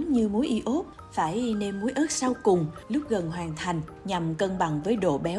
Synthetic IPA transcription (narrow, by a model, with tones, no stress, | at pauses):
ɲɨ˧mu˨˦jʔi˧ʔo˦˥p̚ | faː˧˩jne˧nmu˨˦əjʔəː˦˥t̚sa˧wkʊ˨˩ŋ͡mlʊ˦˥k͡p̚ɣə˨˩nɦwaː˨˩ŋt̪ʰa˨˩jŋ̟ | ɲa˨˩mkə˧nɓa˧˩ŋvəː˨˦jɗo̰˧˨ɓɛ˨˦